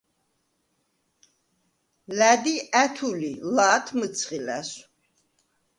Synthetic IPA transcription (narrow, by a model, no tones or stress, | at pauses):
læd̪iæt̪ʰulilaːt̪ʰmɨt͡sʰχilæ̰s